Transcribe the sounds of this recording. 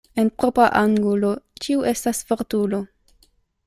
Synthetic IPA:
enpɾopɾaʔaŋɡulot͡ʃiuʔe̞stasfoʁtulo

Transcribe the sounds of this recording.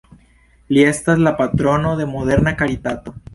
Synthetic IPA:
ljest̪azlapat̪ɾo̞noðe̞moðe̞ɾnakaɾit̪at̪o

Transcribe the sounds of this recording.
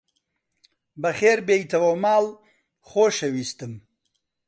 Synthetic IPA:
bɐxeːɾbeːjt̪ɐwomaːl | χoːʃɐwiːst̪ɨm

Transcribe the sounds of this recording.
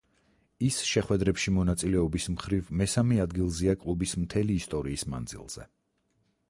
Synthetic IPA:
isʃɛχwɛd̪ɾɛpʃimɔnat̪sʼilɛɔbismχɾivmɛsamɛad̪ɡilˠziakʼlˠubismt̪ʰɛliːst̪ʼɔɾiːsma̰nd̪zḭlˠz̥ɛ̰

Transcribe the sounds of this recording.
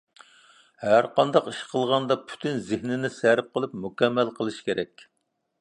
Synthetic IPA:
hæɾqɑnd̪ɑqiʃqʰəlˠʁɑnd̪ɑpʰy̥t̪ʰynzɪhnɪnɪsæɾp̚qʰəlˠɨp̚mukʲɛmːælqʰəlˠɨʃkʲeɾʔɛkʲ

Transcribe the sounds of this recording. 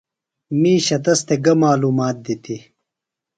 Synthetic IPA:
miːɕɐt̪ɐst̪eɡɐmaːluːmaːt̪̚d̪it̪i

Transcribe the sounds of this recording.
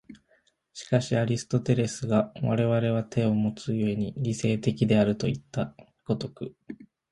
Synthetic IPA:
ɕi̥kaɕiaɾʲisɨ̥t̪o̞t̪e̞ɾe̞sɨɡaβaɾe̞β̞aɾe̞β̞at̪ʰe̞o̞mo̞t͡sɨie̞ɲ̟iɾʲise̞ːt̪e̞kʲid̪e̞aɾɯ̟t̪o̞it̪ːa | ɡ̥o̞t̪o̞kɯ̟

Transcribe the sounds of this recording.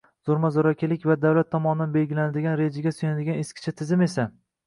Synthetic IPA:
z̥oɾmazɒɾɒkʲɪlɪkʲvad̪awlat̪ʰːɒmɒnɪd̪anbe̞lɡʲɪlanɪd̪ɪɡʲanɾe̞d͡ʒaɡʲasʊjanad̪ɪɡʲaneskʲʰɪ̥t͡ʃʰat̪ʰɪzɪme̞sa

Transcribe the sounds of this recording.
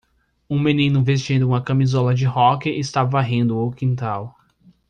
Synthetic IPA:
ũmenĩnʊves̬t͡ʃĩd̪ʊũmɐkɐ̃mizɔlɐd͡ʒɪhɔkɪʔɪst̪avɐvaɦẽnd̪ʊowkĩnt̪aw

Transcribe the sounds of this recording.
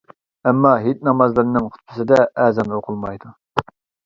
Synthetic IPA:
ɛmːɑɦit̪̚ʲnɑmɑzlˠɨɾnɨŋχʰʊ̥t̪̚pʰʊsɨd̪ɛʔɛːzɛmoqʰʊlˠmɑjd̪u

